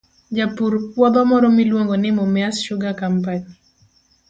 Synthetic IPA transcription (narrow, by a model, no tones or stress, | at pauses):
d͡ʒapuɾpwɔd̪ɔmɔɾɔmilwoŋɡɔnɪmɔmjasʃʊɡakampaɲi